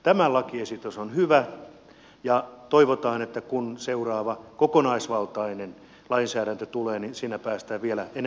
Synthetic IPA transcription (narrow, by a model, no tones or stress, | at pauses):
t̪æmælɑkiesit̪ysonhyʋæ | jɑt̪oiʋot̪ɑːnet̪ːækunseurɑːʋɑkokonɑisʋɑlt̪ɑinen | lɑinsæːɾænt̪øt̪uleːninsiːnæpæːst̪æːʋielæen